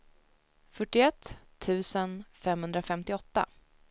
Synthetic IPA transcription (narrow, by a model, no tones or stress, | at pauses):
fœʈːɪɛt̪ʰː | ʉ̟ːsənfɛmhɵnd̪ɾafɛmt̪ɪɔt̪ːa̰